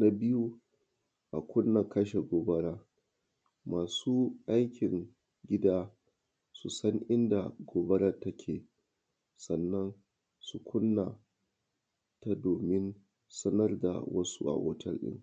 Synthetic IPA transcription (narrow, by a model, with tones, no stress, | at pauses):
na˦bɪ˦ju˦ | ʔa̰˨kʷʊ˦nːa˨kɐ˦ʃe˨ɡʷoː˨bɐ˦ɾaː˦ | maː˨suː˦ʔa˦jkʲɪ˨ŋ | ɡʲɪ˦daː˦ | su˨sɐ˦ŋʔɪ˦nda̰˨ɡʷoː˦bɐ˦ɽa˦tɐ˦kʲʰeː˨ | sɐ˨nːɐ˦n | su˨kʷʊ˦nːa˨ | ta˦doː˨mɪ˦n | sɐ˦nɐ˦rda̰˨wɐ˦sṵ˦ʔa̰˨ʔo˦tʰɐ̰˦lɗɪ̰˦ŋ